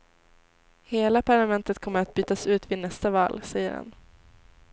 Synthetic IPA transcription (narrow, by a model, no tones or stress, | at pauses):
heːlapʰaɭamɛnt̪ət̪kʰɔmːəɾat̪̚byːt̪asʉ̟ːt̪vɪnɛst̪avɑ̰ːlsɛjːə̰ɾha̰n